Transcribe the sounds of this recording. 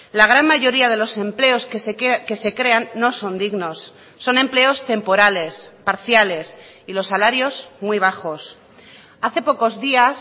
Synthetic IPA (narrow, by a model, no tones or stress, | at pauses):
laɣ̞ɾanmaʝo̞ɾiað̞e̞lo̞se̞mple̞o̞skeske̞se̞kɾe̞anːo̞so̞nd̪iɣno̞sː | o̞nẽ̞mple̞o̞st̪e̞mpo̞ɾale̞spaɾθjale̞silo̞sːalaɾjo̞zmwiβ̞axo̞s | aθe̞po̞ko̞zðias